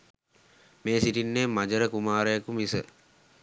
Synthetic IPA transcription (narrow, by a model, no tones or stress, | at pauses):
meːsiʈinːeːmad͡ʒəɾəkumaːɾəjəkumisə